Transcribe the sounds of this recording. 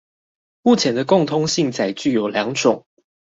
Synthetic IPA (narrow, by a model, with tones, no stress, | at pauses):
mu˥˩t͡ɕʰjɛ˨˦nd̪ə˧kʊ˥˨˩ŋt̪ʰʊ˥ŋɕi˥˨ŋt͡sa˨˩ɪt͡ɕy˥˩jo˨˩ʊljɑ˧˥ŋʈ͡ʂʊ˨˩˦ŋ